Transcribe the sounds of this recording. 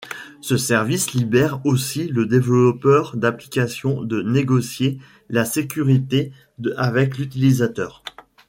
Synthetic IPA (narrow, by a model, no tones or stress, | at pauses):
səsɛʁvislibɛʁosiləd̪evllɔpœʁd̪aplikʲasjɔ̃d̪əneɡɔsje | lasekʲyʁit̪e | avɛklyt̪ilizat̪œːʁ